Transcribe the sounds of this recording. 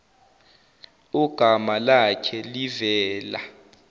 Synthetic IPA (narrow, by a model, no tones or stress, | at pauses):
uɡ̥ʱamalakʰɛlivɛːla̰